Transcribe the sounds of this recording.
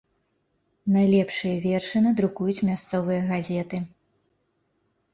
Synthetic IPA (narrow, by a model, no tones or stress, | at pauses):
najlʲɛpʂɨjɐvʲɛrʂɨnɨd̪ɾukujut͡sʲmʲast̪sɔvɨjɐɣazʲɛt̪ɨ